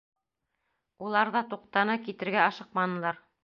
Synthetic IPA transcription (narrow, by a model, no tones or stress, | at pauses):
ulˠɑɾðɑt̪uqt̪ɑnɤkit̪ɘ̆ɾɡæɑʃɤq̚mɑnɤ̆lˠɑɾ